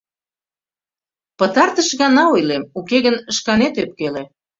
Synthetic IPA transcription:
pət̪ɑrt̪əʃɣɑnɑujlemukeɣənəʃkɑnet̪øp̚kele

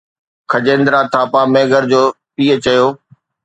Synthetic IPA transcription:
kʰɐd͡ʑẽːnd̪ɾat̪ʰaːpamẽːɡəɾd͡ʑoː | piːə̆t͡ɕɐjoː

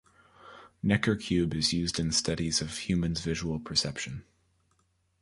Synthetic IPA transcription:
nɛkə˞kʰj̥ʉbɨzjʉzdɨ̃nstʌɾizʌv̥hjʉmɨ̃nzvɪʒəwl̩ˠpʰə˞sɛpʃɨ̃n

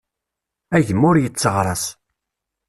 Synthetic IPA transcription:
æʝəmːʊɾjət͡sːəʁɾˤɑs

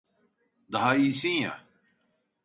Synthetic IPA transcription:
d̪ɐɦaːisĩja̰

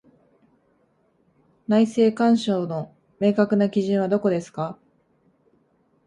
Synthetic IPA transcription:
naise̞ːkãɰ̃ɕo̞ːno | me̞ːkakɯ̟nakʲiʑĩɰ̃βad̪o̞ko̞d̪e̞sɨ̥ka

